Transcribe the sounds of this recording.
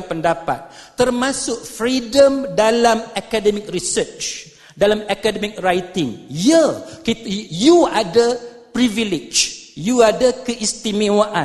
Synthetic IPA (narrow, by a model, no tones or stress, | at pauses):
pəndapa̰t̪̚ːərmãsʊk̚fɾidəmdalamakadɛmik̚risət͡ʃt͡ʃ | dalamakadɛmik̚rajt̪ɪŋjəkit̪juadə | pɾivilid͡ʒjuadəkəʔist̪imiwaʔa